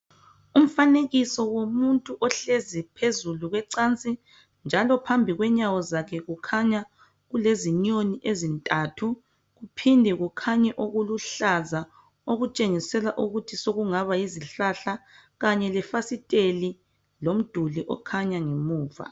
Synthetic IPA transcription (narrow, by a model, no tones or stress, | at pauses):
um̩faneɣisɔwomuntʼuʔɔɬezipʰezuluɣwɛǀant͡sʼi | nd͡ʒʱalɔpʰambʱiɣwɛɲawɔzakʰɛɣukʰaɲa | ɣuleziɲoniʔezintʼatʰu | ɣupʰindʱɛɣukʰaɲɛʔoɣuluɬaza | oɣut͡ʃʼeŋisɛlaʔuɣutʰisoɣuŋaβajiziɬaɬa | ɣaɲɛlɛfasitʼeli | lom̩d̥ʱuliʔɔ̰kʰaɲaŋemuːva̰